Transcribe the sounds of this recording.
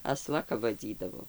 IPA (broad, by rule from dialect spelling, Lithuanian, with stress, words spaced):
ɐˈslˠɐ kɐp ʋɐˈd͡zʲiːdɐʋoː